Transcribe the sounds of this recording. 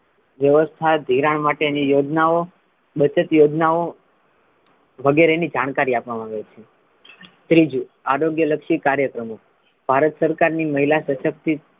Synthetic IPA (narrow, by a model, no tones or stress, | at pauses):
ʋjəʋəst̪ʰad̪ʱiɾaɳmaʈenijod͡ʒnao | ɓət͡ʃət̪jod͡ʒnao | ʋəɡeɾenid͡ʒaɽ̃kaɾiapʋamãaʋet͡ʃʰe | t̪ɾid͡ʒu | aɾoɡjələkʃikaɾjəkɾəmo | b̥ʱaɾət̪səɾkaɾniməɦilasəʃək̚t̪i